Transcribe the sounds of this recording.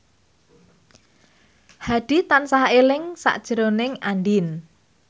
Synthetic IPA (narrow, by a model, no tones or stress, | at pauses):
haɖ̥i̤t̪ansaɦelɪŋsa̰ʔd̥ʒ̥əɾonɪŋanɖin